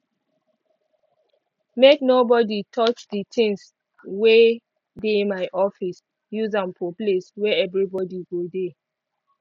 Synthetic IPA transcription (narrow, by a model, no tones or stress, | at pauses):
meknobɔditʰɔt͡ʃditɪ̃ŋs | we | demaɪʔɔfis | juzãmfɔpleswɛɛvɹibɔdiɡode